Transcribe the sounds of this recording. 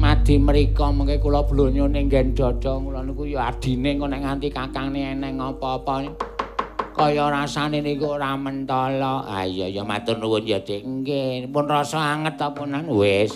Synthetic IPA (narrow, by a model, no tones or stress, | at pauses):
mad̪̥i̤məɾikɔmuŋkekulɔb̥lo̤ɲoneŋɡɛnd̪̥ɔd̥ɔŋkulɔnikujɔard̪̥i̤neŋkonɛŋant̪ikakaŋneɛnɛŋɔpɔːpɔn | kɔjɔɾasanenikuramənt̪ɔlɔʔa̰jɔjɔmat̪ʊnːuwʊnd͡ʒad̪̥eŋŋɡepʊnrɔsɔaŋət̪ːɔpunanwes